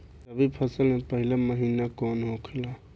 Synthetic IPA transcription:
t̪əbipʰəsəlmẽpəɦɪlaməɦiːnakoːnɦoːkʰɪla

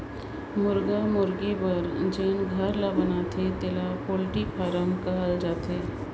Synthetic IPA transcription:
mʊɾɡamʊɾɡibəɾd͡ʒeːnɡʱɐɾlabənaːt̪ʰet̪elapoːlʈipʰaːɾəmkaɦəld͡ʒaːt̪eː

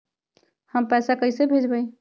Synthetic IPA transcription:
həmpɛsakəɪsebʱed͡ʒbəj

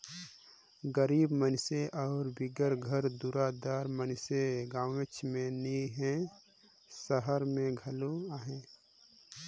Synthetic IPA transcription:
ɡəɾiːbmənseʔɔːɾbɪɡəɾɡʱəɾd̪uːɾad̪aːɾmənɪseɡãːʋet͡ʃʰmẽniɦɛ̃ | səɦəɾmẽɡʱɐloaːɦẽː

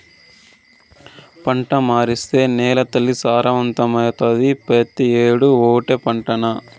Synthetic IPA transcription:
pɐɳʈɐmaːɾist̪e̞ːnɛːlɐt̪ɐlːisaːɾɐʋɐnt̪ɐmɐjɐt̪ɐd̪ipɾɐt̪ieːɽuoːʈepɐɳʈɐnɐ

